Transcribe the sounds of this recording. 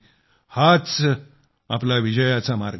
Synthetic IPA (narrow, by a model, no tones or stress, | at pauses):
hat͡s | aplaʋid͡ʑəjat͡samaɾɡ